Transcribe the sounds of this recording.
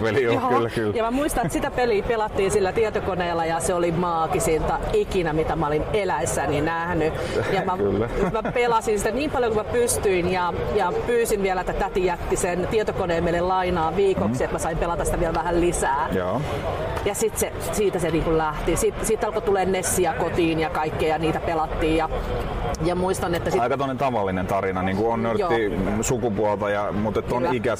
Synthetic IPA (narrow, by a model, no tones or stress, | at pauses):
pelilːkylːjɑmæmuist̪ɑnet̪sit̪æpeliːpelɑt̪ːiːnsilːæt̪iɛt̪okoneːlːɑjɑseolimɑːkisint̪ɑikinæmit̪æmæolinelæisːæninæhny | jɑmækːmæpelɑsinsit̪æniːmpɑljokumæpyst̪yinjɑjɑpyːsinʋiælæet̪ːæt̪æt̪ijæt̪ːisent̪iɛt̪okoneːmeilellɑinɑːʋiːkoksiet̪mæsɑimpelɑt̪ɑsit̪æʋiɛlʋæhællisæːjoː | jɑsit̪se | siːt̪æseniːŋkullæht̪isit̪siːt̪ːɑlkot̪uleːnnesːiækot̪iːnjɑkɑikːijɑniːt̪æpelɑt̪ːiːjjɑ | jɑmuist̪ɑnet̪ːæsiɑˑikɑt̪onent̪ɑʋɑlːinent̪ɑɾinɑniːŋkuonnøtjoːisukupuɑlt̪ɑjɑmuːt̪et̪ːonikæ